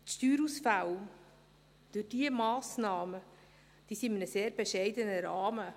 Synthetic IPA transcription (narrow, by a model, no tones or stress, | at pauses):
t̪ʃtyːɾusfaw | d̪̥ʉd̥iəmɑːsnɑːmə | d̥iːsiɪmənəseːɾbeʃɛɪdənəɾɑːmə